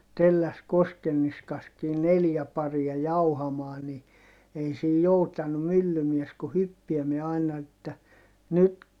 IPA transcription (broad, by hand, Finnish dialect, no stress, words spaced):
telːæs koskenːiskɑskiː neljæ pɑriɑ jɑuhɑmɑː ni ei siː joutɑnu mylːymies ku hypːiɛmiɛ ɑinɑ etːæ nyt